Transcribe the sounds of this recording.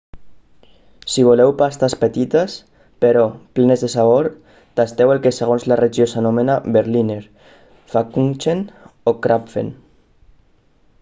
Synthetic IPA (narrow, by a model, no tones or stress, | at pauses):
siβ̞olewpast̪aspet̪it̪as | peɾɔplenezðesaβ̞oɾ | t̪ast̪ewelkeseɣ̞onzlareʒiosanomenabeɾlineɾ | fakunt͡ʃenokɾapfḛn